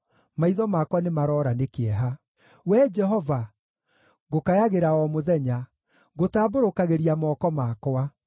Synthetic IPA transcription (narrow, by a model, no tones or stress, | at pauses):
maiðɔmakwanemaɾɔːɾanekeɛɦa | wɛd͡ʒɛɦɔva | ɣokajaɣeɾaɔmoðɛɲa | ɣotaːboɾokaɣeɾiamɔːkɔmakwa